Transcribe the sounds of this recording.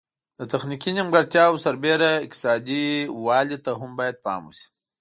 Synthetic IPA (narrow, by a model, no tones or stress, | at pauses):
d̪ət̪axnikinimɡaɽt̪jɑwsaɾbeɾaɪk̚t̪ɪ̥sɑd̪iwɑlit̪aɦʊmbɑjad̪̚pɑ̰mṵsi̥